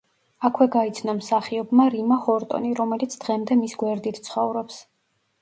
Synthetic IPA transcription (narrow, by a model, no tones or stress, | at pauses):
akʰwɛɡait̪sʰnɔmsaχiɔbmaɾimahɔɾt̪ʼɔ̰niɾɔmɛlit̪sʰd̪̥ʁɛmd̪ɛmisɡwɛɾd̪it̪ʰtsʰχɔvɾɔps